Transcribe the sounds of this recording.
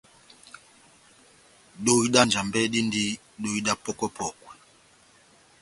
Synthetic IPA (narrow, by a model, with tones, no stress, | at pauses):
ɗo˦i˦ɗa˦nd͡ʒa˨mbɛ˦ɗi˦ndi˦ | ɗo˦i˦ɗa˦pɔ˦kɔ˦pʰɔ˨kwɛ˨